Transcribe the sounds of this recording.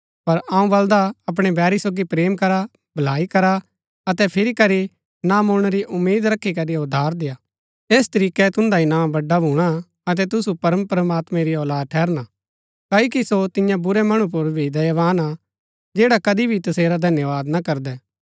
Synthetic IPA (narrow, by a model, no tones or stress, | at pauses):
pɐɾaːũbɐld̪aɐp̬ɽ̃ɛbɛːɾisoːɡipɾeːmkɐɾa | bʱɐlaːikɐɾa | ɐt̪ɛpʰɪɾikɐɾi | namʊɽ̃ɾiʔʊmːeːd̪ɾɐkʰːikɐɾiʊd̪ʱːaːɾd̪ejaː | eːst̪ɐɾiːkɛt̪ʊ̃nd̪aɪnãːmbɐɖːabʱuːɽ̃a | ɐt̪̬ɛt̪ʊsupɐɾəmpɾɐmaːt̪mɛ̃ɾiɔːlaːd̪̚ʈʰɛːɾna | kaːokisot̪ɪjãbʊɾɛmɐɽ̃ũp̬ʊɾbʱid̪ɐjʋaːna | d͡ʒeːɽakɐd̪ibʱit̪ɐseːɾad̪ʱɐnjəʋaːd̪nakɐɾd̪ɛː